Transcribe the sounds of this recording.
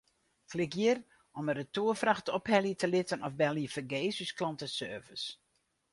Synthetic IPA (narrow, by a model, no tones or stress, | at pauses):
klɪkjir | ɔməɾətuːəfraxtɔphɛliətʰəlɪtənɔfbɛliəfəɡeːsysklɑntəsøːvəs